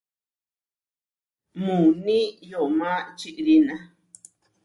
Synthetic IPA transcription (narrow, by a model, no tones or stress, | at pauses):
mũnĩjomãt͡ʃiʔɾinã